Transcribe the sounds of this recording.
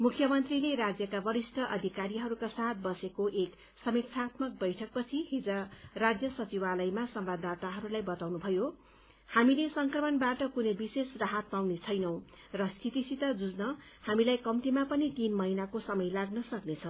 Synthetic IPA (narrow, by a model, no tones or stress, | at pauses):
mukʰjʌmʌnt̪rileɾad͡zjʌkabʌɾisʈʰʌʔʌd̪ʱikaɾiɦʌɾukasat̪̚bʌsekoʔek | sʌmepsʰat̪mʌk̚bʌjʈʰʌk̚pʌt͡sʰiɦid͡zʌrad͡zjʌsʌt͡sibalʌjmasʌmbad̪at̪aɦʌɾulajbʌt̪awnubʱʌjo | hamilesʌŋkrʌmʌnbaʈʌkunʌjbisesraɦat̪̚pawnet͡sʰʌjnʌw̃ | rʌst̪ʰit̪isit̪ʌd͡zud͡znʌhamilajkʌmt̪imapʌnit̪inmʌɦinakosʌmʌjlaɡnʌsʌknet͡sʰʌ